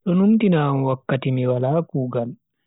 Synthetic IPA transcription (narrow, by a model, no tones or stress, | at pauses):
ɗɔnuntinaːmwakːat̪imiwalaːkuːɡal